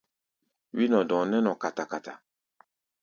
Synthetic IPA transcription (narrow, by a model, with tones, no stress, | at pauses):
wi˦nɔ̃˨dɔ̃˨nɛ˦nɔ˨ka˨ta˨ka˨ta̰˨